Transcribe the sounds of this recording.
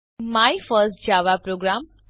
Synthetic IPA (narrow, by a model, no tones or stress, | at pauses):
majfəɾsʈ̚d͡ʑaʋapɾoɡɾam